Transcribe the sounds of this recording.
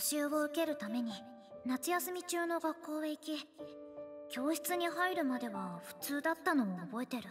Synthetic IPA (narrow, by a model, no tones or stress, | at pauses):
ɕɨːɡoɯ̟ke̞ɾɯ̟t̪ame̞ɲ̟i | nat͡sɨjasɨmʲit͡ɕɨːno̞ɡakːo̞ːeikʲi | kʲo̞ːɕi̥t͡sɨɲ̟iɦaiɾɯ̟mad̪e̞βaɸɯ̟̥t͡sɨːd̪at̪ːano̞moːbo̞e̞t̪e̞ɾɯ̟